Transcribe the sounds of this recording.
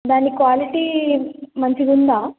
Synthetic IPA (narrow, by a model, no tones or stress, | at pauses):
d̪aːnikʋaːliʈiːmɐɲt͡ʃiɡund̪aː